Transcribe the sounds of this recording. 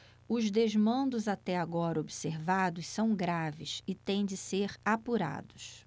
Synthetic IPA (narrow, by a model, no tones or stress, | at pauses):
ʊzd̪ezmɐ̃nd̪ʊzat̪ɛaɡɔɾɐobiseɾvad̪ʊssɐ̃w̃ɡɾavɪsɪt̪ẽj̃d͡ʒɪseɾapuɾa̰d̪ʊs